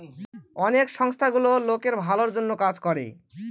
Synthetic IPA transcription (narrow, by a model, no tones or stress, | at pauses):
ɔnekʃɔŋst̪ʰaɡulolokeɾbʱaloɾd͡ʑonːokad͡ʑkɔɾḛ